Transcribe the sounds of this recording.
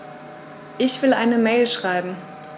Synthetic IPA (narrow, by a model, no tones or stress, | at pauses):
ʔɪçv̥ɪlʔaɪnəmɛːlʃʁ̥aɪbm̩